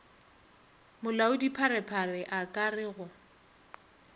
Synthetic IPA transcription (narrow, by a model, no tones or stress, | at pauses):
mʊlaʊdipʰaɾɛpʰarɪʔakʼarɪɣʊ